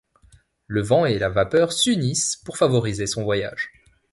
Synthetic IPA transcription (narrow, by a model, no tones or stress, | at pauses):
ləvɑ̃elavapœʁsynispuʁfavɔʁizesɔ̃vwaja̰ʒ̥